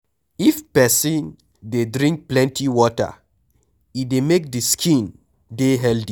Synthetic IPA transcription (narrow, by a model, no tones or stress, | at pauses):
ifpɛsĩn | dedɹĩŋk̚plɛ̃ntʰiwɔtə̰ | idemek̚diskʰĩn | deɦɛldi